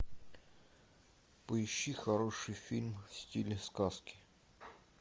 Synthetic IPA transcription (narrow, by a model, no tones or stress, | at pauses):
pəɪɕːixɐɾoʂɨjfʲilʲmfsʲtʲilʲɪskaskʲɪ̥